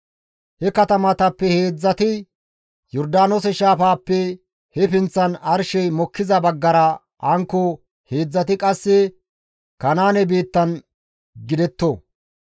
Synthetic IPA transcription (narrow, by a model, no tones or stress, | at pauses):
hɛkɐt̪ɐmɐt̪ɐpːɛheːd͡zːɐt̪ɪ | jɔɾd̪aːnos̬ɛʃaːfaːpːɛ | hɛfɪnt͡sːɐnɐɾʃɛjmɔkːɪzɐbɐɡːɐɾɐ | ʔɐŋkːɔ | he̞ːd͡zːɐt̪ɪkʼɐsːɛ | kɐnaːnɛbeːt̪ːɐn | ɡɪd̪ɛt̪ːo